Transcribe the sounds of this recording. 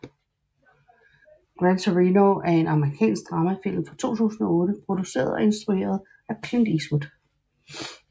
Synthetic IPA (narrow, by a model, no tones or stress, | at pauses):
ɡ̥ʁænt͡sʰoʁinoʔæɐe̝nɑ̈məʁikʰɛ̰ːnsɡ̥̚d̥ʁɑ̈mæfel̰ð̩ˠfɒt͡sʰo̝̰ːt͡sʰṵːsn̩ɒ̽ɔ̽ːdəpʰʁo̝d̥use̝̰ːɐð̞̩ˠɒ̽e̝nsd̥ʁue̝̰ːɐð̞ˠ | ækʰlɪnd̥isʋud̥